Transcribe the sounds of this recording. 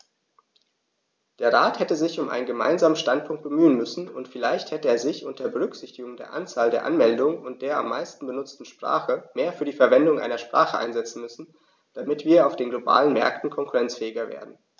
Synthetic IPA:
d̥eːɐʁaːthɛtəzɪçʊmʔaɪnənɡəma̰ɪnzaːmənʃtantpʰʊŋkt̚b̥əmyːənmʏsn̩ʊntfɪlaɪçthɛtəeːɐzɪçʔʊntdeːɐbəʁ̞ʏkz̥ɪçtɪɡʊŋdeːɐʔant͡saːldeːɐʔanmɛldʊŋənʊnt̚d̥eːɐa̰mːa̰ɪstn̩bənʊt͡stn̩ʃpʁ̥a̰ːχəmeːɐfyːɐdiːfɛɐvɛndʊŋʔa̰ɪnɐʃpʁ̥a̰ːχəʔa̰ɪnzɛt͡sn̩mʏsn̩ | d̥amɪtv̥iːɐaʊfd̥eːnɡloba̰ːlənmɛ̰ɐktn̩kʰɔŋkuʁɛnt͡sfɛːɪɡɐvḛːɐdn̩

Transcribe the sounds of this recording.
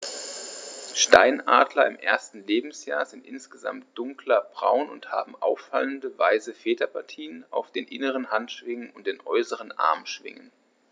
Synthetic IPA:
ʃta̰ɪnaːdlɐɪmʔeːɐstn̩leːbm̩sja̰ːɐzɪntʔɪnsɡ̥əza̰mt̚d̥ʊŋklɐbʁa̰ʊnʊ̰ntha̰ːbm̩ʔa̰ʊfa̰ləndəvaɪzəfeːtɐpʰaɐtʰiːənʔa̰ʊfd̥eːnʔɪnəʁ̞ənhantʃv̥ɪŋənʊnt̚d̥eːnʔɔʏsəʁ̞ənʔa̰ɐmʃv̥ɪ̰ŋə̰n

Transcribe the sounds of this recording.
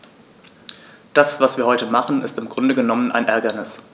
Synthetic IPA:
d̥asv̥asv̥iːɐhɔʏtəmaχn̩ɪstɪmɡʁʊndəɡənɔmənʔa̰ɪnʔɛɐɡɐnɪs

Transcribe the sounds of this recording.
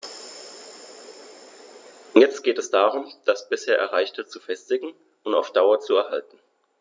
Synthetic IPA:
jɛt͡stɡ̥eːtɛsd̥aːʁʊmd̥asb̥ɪsheːɐʔɛ̰ɐʁaɪçtət͡sufɛstɪɡŋ̩ | ʔʊnta̰ʊfd̥aʊɐt͡suɛɐhaltn̩

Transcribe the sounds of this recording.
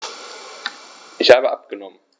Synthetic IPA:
ʔɪçhaːbəʔap̚ɡ̥ənɔmən

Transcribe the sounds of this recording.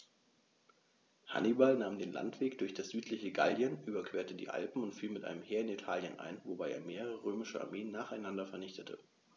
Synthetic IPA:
ha̰nibalnaːmdeːnla̰ntv̥eːkd̥ʊɐçd̥asz̥yːtʰlɪçəɡa̰ldjənʔyːbɐkʰv̥eːɐtədḭːʔa̰lpm̩ʊntfiːlmɪtʔa̰ɪnəmheːɐɪnitʰaːljənʔa̰ɪnvobaɪʔeːɐmeːʁəʁəʁøːmɪʃəʔa̰ɐmeːənːaːχaɪnandɐfɛɐnɪçtətʰə̰

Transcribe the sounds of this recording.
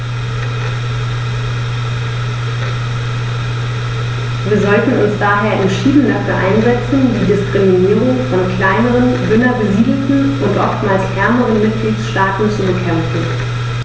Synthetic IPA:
viːɐzɔltn̩ʊnsd̥aːɦeːɐʔɛntʃiːdn̩dafyːɐʔa̰ɪnzɛt͡sn̩diːdɪskʁ̥iminiːʁʊŋfɔnkl̥aɪnəʁənvʏnɐbəziːdl̩tn̩ʔʊntʔɔftmaːlshɛɐməʁənmɪt̚ɡ̥liːtsʃtaːtn̩t͡subəkʰɛmfn̩

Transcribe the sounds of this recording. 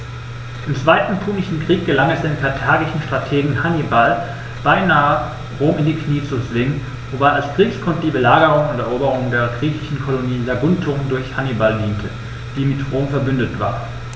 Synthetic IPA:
ʔɪmt͡sv̥aɪtn̩pʰuːnɪʃn̩kʁ̥iːk̚ɡ̥əlaŋɛsd̥eːnkʰaɐtʰaːɡɪʃn̩ʃtʁ̥atʰeːɡŋ̩hanibal | b̥aɪnaːə | ʁoːmɪndiːkʰniːt͡suzvɪŋən | vobaɪalsɡ̥ʁ̥iːkskʰɔntədiːbəlaːɡəʁʊŋʊntɛɐʔoːbəʁ̞ʊŋdeːɐɡʁiːçɪʃn̩kʰɔloniːzaɡʊntʰʊndʊɐçhanibaldiːntʰə | d̥iːmɪtʁoːmfɛɐbʏndətv̥a̰ːɐ

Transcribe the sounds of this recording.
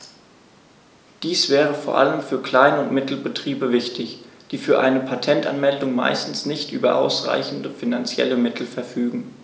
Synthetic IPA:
d̥iːsv̥ɛːʁ̞əfoːɐʔa̰ləmfyːɐkl̥aɪnəʊntmɪtʰl̩bətʁ̥iːbəvɪçtɪçd̥iːfyːɐʔaɪnəpʰatʰɛnta̰nmɛldʊŋma̰ɪstn̩snɪçtʔyːbɐ̰ʔa̰ʊsʁa̰ɪçn̩dəfinant͡sjɛ̰ləmɪtʰl̩fɛɐfyːɡŋ̩

